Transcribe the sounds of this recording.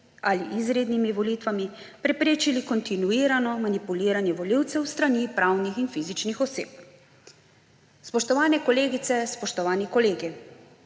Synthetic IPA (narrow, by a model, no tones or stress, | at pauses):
aliʔizɾeːd̪nimiʋɔlit̪ʋami | pɾɛpɾeːt͡ʃilikɔnt̪inuiːɾanɔmanipuliːɾanjɛʋɔliwt̪sɛwst̪ɾanipɾaːwnixinfizit͡ʃnixɔsḛːp̚ | spɔʃt̪ɔʋaːnɛkɔleːɡit̪sɛspɔʃt̪ɔʋaːnikɔleːɡi